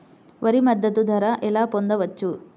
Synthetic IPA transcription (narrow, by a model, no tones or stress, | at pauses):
ʋɐɾimɐd̪ːɐt̪ud̪ʱɐɾɐʔelaːpond̪ɐʋɐt͡ʃːu